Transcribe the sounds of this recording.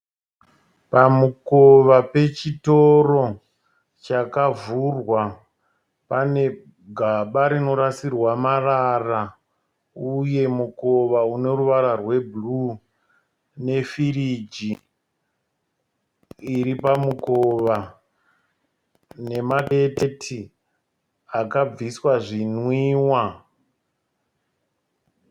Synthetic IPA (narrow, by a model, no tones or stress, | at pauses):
pamuko̞ʋape̞t͡ʃitoro̞ | t͡ʃakavurwa | pane̞ | ɡʱaɓaɾino̞ɾasirwamarara | uje̞muko̞ʋaune̞ruʋaɾarwe̞bʱlu | ne̞firid͡ʒi | ɾipamukoʋa | ne̞maɗe̞tetʰi | akab͡viswaʐinwiːwa